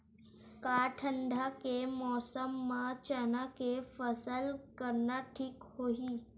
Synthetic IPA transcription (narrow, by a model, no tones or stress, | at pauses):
kaʈʰəɳɖʱakemɔːsəmːãt͡ɕənakefəsəlkəɾnaʈʰiːkhoɦiː